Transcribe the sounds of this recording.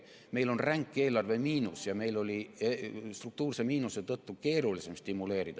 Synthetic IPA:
me̞jlo̞nræŋkːˑe̞ːlɑrve̞miːnusjɑme̞jlo̞lʲiest̪ruk̚t̪uːrsemiːnuset̪ɤt̪ːuke̞ːɾulise̞mst̪imːule̞ːɾid̪̥ɑ

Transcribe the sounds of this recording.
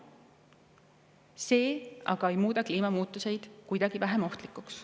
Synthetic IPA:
se̞ːʔɑ̰ɡ̥ɑe̞jmuːd̪ɑkliːmɑmuːt̪ˑːuse̞jd̪̥kujd̪̥ɑɡ̥ivæɦemo̞ht̪likːˑuks

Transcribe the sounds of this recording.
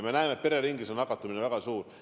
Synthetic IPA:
menæːmet̪̚pe̞ɾeɾiŋɡisonɑkːɑt̪ːˑuminevæɡ̥ɑsuːɾ

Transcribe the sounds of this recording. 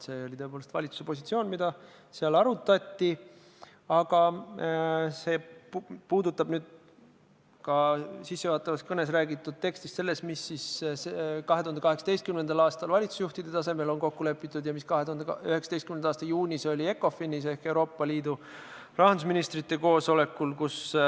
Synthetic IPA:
se̞ːo̞lʲit̪ɤe̞poːlest̪vɑ̰lʲit̪su̥se̞po̞sʲit̪sio̞ːnmid̪ɑ | seɑlɑɾut̪ːˑɑt̪ːi | ɑɡ̥ɑ | se̞ːppuːd̪ut̪ːˑɑbnyːd̪̥̚ | kɑsisːevɑːt̪ːˑɑvɑst̪kɤne̞s̬ræːɡit̪ːˑud̪̚t̪e̞kst̪ist̪se̞lːe̞st̪misːis | kɑɦet̪uhɑnd̪ekɑɦe̞ksɑt̪e̞jst̪kymnend̪̥ɑlɑːst̪ɑlvɑlʲit̪su̥sjuht̪id̪̥e̞t̪ɑse̞me̞lonko̞kːule̞pːˑit̪ːˑud̪jɑmiskɑɦet̪uhɑnd̪eyheksɑd̪est̪kymnenɑːst̪ɑjuːnʲiso̞lʲie̞kːˑo̞finise̞hke̞wɾo̞ːpːˑɑliːd̪u | rɑɦɑnd̪usminist̪rit̪ːe̞ko̞ːso̞le̞kːulkus

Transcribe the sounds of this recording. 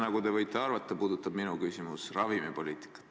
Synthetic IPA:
nɑɡut̪e̞vɤjt̪ːˑeɑrvɑt̪ːˑɑpuːd̪ut̪ːˑɑb̥minukysʲimusrɑvimepo̞liːt̪ˑi̥kːˑɑ̥t̪ː

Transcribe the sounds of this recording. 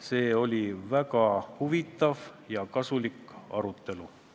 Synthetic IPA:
se̞ːo̞lʲivækɑhuvit̪ːˑɑvjɑkɑsulikɑ̰ɾut̪ːˑe̞lu

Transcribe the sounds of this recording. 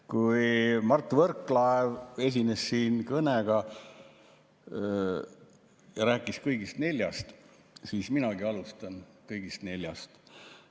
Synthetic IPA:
kujmɑrt̪ːˑvɤrkːˑlɑeve̞s̬ʲine̞ssiːnkɤneɡ̥ɑ | jɑɾæːkːˑiskɤjɡist̪ne̞lʲjɑst̪ | siːsminɑɡiɑlust̪ɑnkɤjɡist̪ne̞lʲjɑst̪

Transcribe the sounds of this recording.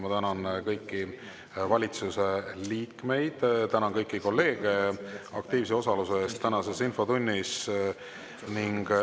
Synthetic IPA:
mɑt̪ænɑnkɤjkːi | vɑlʲit̪suse̞liːkme̞jd̪̥t̪ænɑnkɤjkːiko̞lːe̞ːɡ̥e̞ɑkt̪iːvs̬eo̞sɑluseest̪ːænɑse̞sinfo̞t̪unʲːis | niŋɡ̥

